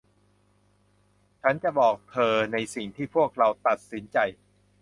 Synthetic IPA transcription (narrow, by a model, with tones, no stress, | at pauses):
t͡ɕʰa˦˥nt͡ɕa˨˩bɔː˨˩k̚t̪ʰɤː˧na˧jsi˨˩ŋt̪ʰiː˥˩pʰu˥˩ək̚ɾa˧wt̪a˨˩t̪̚si˩˦nt͡ɕa˧j